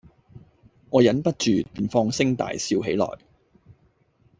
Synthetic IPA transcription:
ŋɔː˨˧jɐ˨˥npɐ˥t̚t͡ʃyː˨piː˨˩nfɔː˧ŋsɪ˥ŋt̪a̰ː˨jsiː˧wɦe˨˥jlɔ̰ː˨˩j

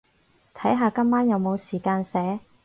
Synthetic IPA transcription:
t̪ʰɐ˨˥jɦaː˨˧kɐ˥mːaː˥njɐ˨˧wmo˨˧wsiː˨˩kaː˧nsɛː˨˥

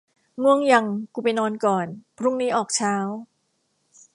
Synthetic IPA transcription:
mu˧˩əŋja˧˩ŋku˨˩pa˨jnɔː˧nkɔː˨˩npʰɾu˥˩ŋniː˦˥ʔɔː˨˩k̚t͡ɕʰaː˦˥w

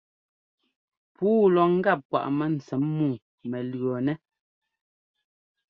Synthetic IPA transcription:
puː˦lɔ˨ŋ̩˦ɡa˦˨p̚ːwa̰˨ʔmɛ˦n̩˨t͡sɛ˨˦mːuː˦˨ | mɛ˨lɰɔ˨nɛ˦

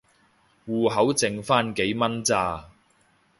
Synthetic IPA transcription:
wuː˨˩ɦɐ˨˥wt͡sɪ˨ŋfaː˥nke˨˥jmɐ˥nt͡saː˧

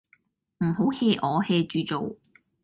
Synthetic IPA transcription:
m̩˨˩ɦo˨˥wheː˧ʔɔː˨˧hɛː˧t͡ʃyː˧t͡so˨w

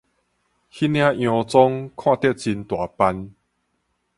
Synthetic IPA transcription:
hi˦˥nj̃ã˦j̃ɔ̃˧t͡sɔ˦ŋkʰw̃ã˥˧t̪ɛ˥˧t̚t͡ɕi˧nt̪wa˨˩pa˧n

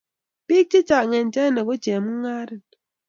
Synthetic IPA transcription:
pi˦k̚t͡ʃi˦t͡ʃa˨kŋe˨n̩˨t͡ʃa˦ne˨ko˦t͡ʃe˨m˦ŋ̩˦ŋa˦ɾi˦n

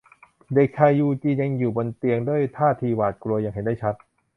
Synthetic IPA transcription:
de˨˩k̚t͡ɕʰa˧jjuː˧t͡ɕiː˧ɲa˧ŋjuː˨˩bo˧nt̪i˧əŋdu˥˩əjt̪ʰaː˥˩t̪ʰiː˧waː˨˩t̪̚klu˧ɐja˧ŋɦe˩˦ndaː˥˩t͡ɕʰa˦˥t̪̚

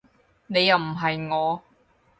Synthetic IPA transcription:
ne˨˧jɐ˨˩wm̩˨˩ɦɐ˨jŋɔː˨˧

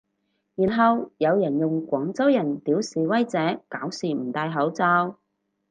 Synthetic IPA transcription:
jiː˨˩nɦɐ˨wjɐ˨˧wjɐ˨˩njʊ˨ŋkʷɔː˨˥ŋt͡sɐ˥wjɐ˨˩nt̪iː˨˥wsiː˨wɐ˥jt͡sɛː˨˥kaː˨˥wsiː˨˩m̩˨˩t̪aː˧jɦɐ˨˥wt͡saː˧˥w

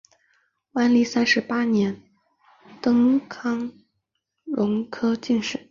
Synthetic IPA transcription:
wa˥nli˥˩sa˥nʂɻ̩˧˥pa˥njɛ˧˥n | t̪ɤ˥ŋkʰɑ˥ŋ | ɻʊ˧˥ŋkʰɤ˥t͡ɕi˥˧nʂɻ̩˥˩˦

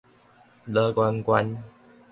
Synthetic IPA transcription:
lə˧kwa˧nkwa˧n

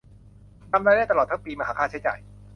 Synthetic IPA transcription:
t̪a˧mlaː˥˩jda˥˩t̪ɔː˨˩t̪ʰːŋpiː˧maː˧ɦaː˦kʰaː˥˩t͡ɕʰa˦˥jt͡ɕa̰ː˨˩j

